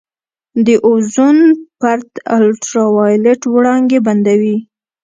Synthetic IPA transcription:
d̪əʔʊzunpaɾt̪alʈɾawɑjleʈwɽɑŋɡeband̪awi

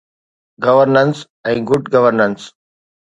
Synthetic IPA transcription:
ɡɐʋəɾnəns | ɛ̃ːɡʊɖɡɐʋəɾnə̃ns

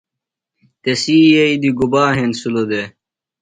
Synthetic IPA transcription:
t̪esiːjɐid̪iɡubaːɦensulod̪e

